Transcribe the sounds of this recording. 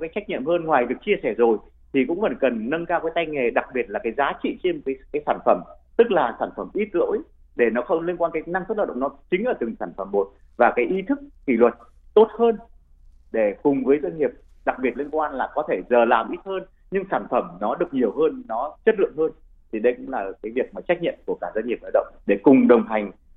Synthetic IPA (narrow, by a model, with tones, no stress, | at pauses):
kaː˨˦jt͡ɕa˦˥jk̚ɲḭ˧˨mɦəː˧nŋwaː˨˩jɗɨ˨˩ək̚t͡ɕi˧əsɛ˧˩zo˨˩j | t̪ʰi˨˩kʊ̰˧˥ŋ͡mvə˨˧˩kə˨˩nːə˧nkaː˧wkaː˨˦jt̪a˧jŋe˨˩ɗa˨˩k̚ɓi˨˩ət̚laː˨˩kaː˨˦jzaː˨˦t͡ɕḭ˧˨t͡ɕe˧n˨˩kaː˨˦kaː˨˦jsaː˧˩nfə˧˩mt̪ɨ˦˥k̚laː˨˩saː˧˩nfə˧˩mʔi˦˥t̚lo̰˧˥j | ɗe˧˩nɔ˨˦xə˧wŋ͡mli˧nkwaː˧nkaː˨˦jna˧ŋt̪ɨ˦˥ləː˨˧˩ɗ̰ŋ͡mnɔ˨˦t͡ɕï˨˦ŋ̟ʔəː˧˩t̪ɨ˨˩ŋsaː˧˩nfə˧˩mːo˨˩t̚ | vaː˨˩kaː˨˦jʔi˨˦t̪ʰɨ˦˥k̚ki˧˩lwə˨˩t̚ | t̪o˦˥t̚həː˧n | ɗe˧˩kʊ˨˩ŋ͡mvəː˨˦jzwə˧nŋi˨˩əp̚ | ɗa˨˩k̚ɓi˨˩ət̚li˧nkwaː˧nlaː˨˩kɔ˨˦t̪ʰe˧˩zəː˨˩laː˨˩mʔi˦˥t̚həː˧n | ɲɨ˧ŋsaː˧˩nfə˧˩mnɔ˨˦ɗɨ˨˩ək̚ɲi˨˩əwɦəː˧nːɔ˨˦t͡ɕə˦˥t̚lɨ̰˧˨əŋhəː˧n | t̪ʰi˨˩ɗə˧jkʊ̰˧˥ŋ͡mlaː˨˩kaː˨˦jvi˨˩ək̚maː˨˩t͡ɕa˦˥k̚ɲə̰˧˨nku˧˩əkaː˧˩zə˧n̟ŋi˨˩əp̚ʔaː˧˩ɗə̰˧˨wŋ͡mɗe˧˩kʊ˨˩ŋ͡mɗə˨˩wŋ͡mɦa˨˩jŋ̟